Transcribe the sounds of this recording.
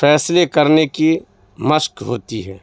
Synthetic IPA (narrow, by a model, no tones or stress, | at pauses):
fɛːslekɐɾneki | mɐʃkɦoːt̪iɦɛː